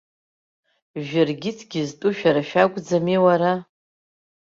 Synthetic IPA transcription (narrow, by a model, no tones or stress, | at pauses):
ʒᶣarɡʲɪtʰɡʲiztʼuʃᶣaɾaʃᶣaɡʷʼd͡zamiwaɾa